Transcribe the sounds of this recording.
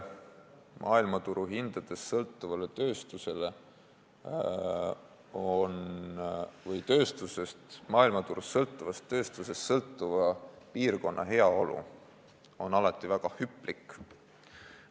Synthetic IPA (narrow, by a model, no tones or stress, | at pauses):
mʔɑ̰ːilmɑt̪uɾuɦind̪̥ɑd̪̥e̞sːɤlt̪ˑːuvɑlet̪ø̞ːst̪use̞le̞ | on | vɤjt̪ø̞ːst̪use̞st̪mɑːilmɑt̪uɾusːɤlt̪ːˑuvɑst̪ːø̞ːst̪use̞st̪sɤlt̪ˑːuvɑpiːrko̞nːɑ̰ɦe̞ɑo̞lṵ | o̞nɑlɑt̪ːˑivæɡ̥ɑhypːˑlikːˑ